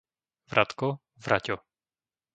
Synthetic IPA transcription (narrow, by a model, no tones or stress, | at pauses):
vɾʔat̪kɔ | vɾacɔ